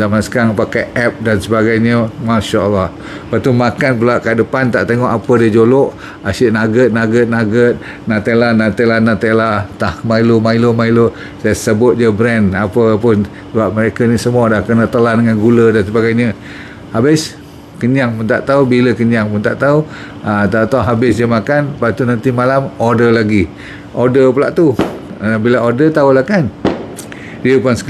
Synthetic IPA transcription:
zamansə̥kaaŋpakajʔɛp̚dansəbaɡajɲəmaʃaʔəlːah | pat̪umakanpulaʔkadəpant̪a̰ʔt̪eŋɔʔapədiəd͡ʒoloʔ | aʃɪʔnaɡət̪̚naɡət̪̚naɡət̪̚ | nat̪elanat̪elanat̪elat̪ahmailomailomailo | sajəsəbʊt̪̚d͡ʒəbɾɛnapəpʊn | səbap̚məɾekənisəmuadahkənət̪əlandəŋanɡulədansəbaɡajɲə | habɪs | kəɲaŋpunt̪a̰ʔt̪aubiləkəɲaŋpʊnt̪a̰ʔt̪au | ət̪aut̪aɦabɪsd͡ʒəmakanpat̪unant̪imalamodəlaɡi | ʔodəpəlaʔt̪u | bilaodət̪aulahkan | diəpʊns

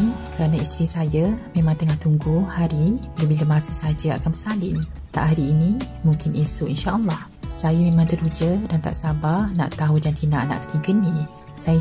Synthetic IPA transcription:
nkəɾanaist̪ɾisajamẽmãŋt̪əŋaht̪uŋɡuhhaɾiləbiləmasasad͡ʒəa̰kanbəsalɪm | t̪a̰ʔɦaɾiːnĩ | muŋkɪnʔesoʔinʃaʔəlːɑh | sajamẽmãŋt̪əɾud͡ʒədant̪a̰ʔsabana̰ʔt̪aɦud͡ʒant̪inaʔna̰ʔk̪ə̥t̪ikənĩ | sa

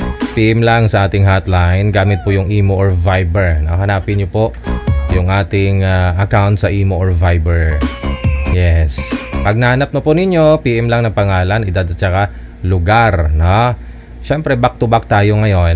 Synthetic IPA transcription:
piːʔɛmlaŋsɐʔaːt̪ɪŋɦat̪lajnɡaːmɪt̪̚pʊjʊŋʔiːmoʔoɹvajbɛɹnoɦɐnaːpɪnɲopoʔjʊŋʔaːt̪ɪŋaʔɐkawnt̪̚sɐʔiːmoʔoɹvajbɛɹ | jɛspɐɡ̚nɐhɐnap̚nopʊnɪɲjo̞piːʔɛmlɐŋnɐŋpɐŋaːlɐnʔɪd̪ad̪ɐt͡ʃɐka | lʊɡaɾno | ʃɛmpɾɛbɐk̚t̪ʊbak̚t̪aːjoŋɐjo̞n

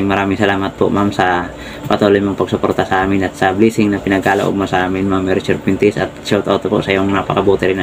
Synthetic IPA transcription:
ŋmaɾamisalamat̪̚pɔ̰ʔmamsa | pat̪olɔjmaŋpaɡsɔpɔrt̪asaːminat̪sablisiŋnapinaɡala̰ʔɔ̰masaːminmamɛɾt͡ʃurpint̪isa̰t̪̚sɔt̪ot̪ɔpɔ̰ʔsajoŋnapakabɔt̪ɛɾina

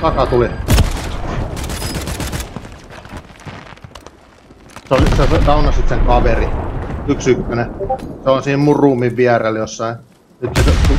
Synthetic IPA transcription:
kɑsɑt̪uli | seolsessɑunɑsit̪seŋkɑʋeriyksykːøneseonsiːmmurˑuːmːiʋʋiæreljosːɑin | nyt̪set̪

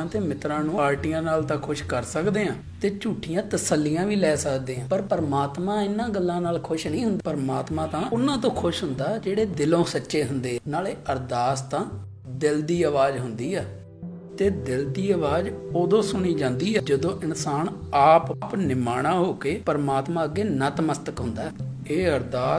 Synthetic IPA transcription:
ãːt̪eːmɪt̪ɾãːnũːaːɾʈijãːnaːlt̪ãːkʰʊʃkəɾsəkd̪eːãː | t̪eːt͡ʃuːʈʰːijãːt̪əsəlːijãːʋiːlɛːsəkd̪eːãːpəɾpəɾmaːt̪mãːɪnːãːɡəlːãːnaːlkʰʊʃnĩːɦʊnd̪pəɾmaːt̪mãːt̪ãːʊnãːt̪̬õːkʰʊʃɦʊnd̪aːd͡ʒeːɽeːd̪ɪlõːsətːʃeːɦʊnd̪eːnaːleːəɾd̪aːst̪ãː | d̪ɪld̪iːəʋaːd͡ʒɦʊnd̪iːɛː | t̪eːd̪ɪld̪iːəʋaːd͡ʒoːd̪õːsʊɳ̃iːd͡ʒãːnd̪iːɛːd͡ʒəd̪õːʔɪnsaːnaːppnɪmaːɽ̃ãːɦoːkeːpəɾmaːt̪mãːəɡːeːnət̪məst̪əkɦʊ̃nd̪aːeːəɾd̪aː

